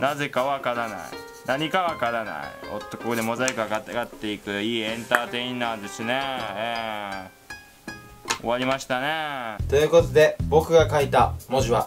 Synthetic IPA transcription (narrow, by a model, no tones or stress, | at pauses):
naze̞kaβakaɾana̰ḭ | naɲ̟ikaβakaɾana̰ḭo̞̰t̪ːokokod̪e̞mozaikɯaɡat̪aɡat̪ːe̞ikɯ̟iːẽ̞nt̪aːt̪e̞inaːd̪e̞sɨneeː | o̞̰βaɾʲimaɕi̥t̪ane̞t̪o̞jɯ̟ːko̞t̪o̞d̪e̞bo̞kɯ̟ɡakait̪amo̞ʑiβa